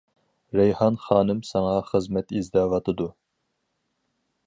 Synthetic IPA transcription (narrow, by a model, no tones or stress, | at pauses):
ɾɛjhɑnχɑːnɨmsɑŋɑχəzmɛt̪izd̪ɑːvɑt̪ʰɨd̪u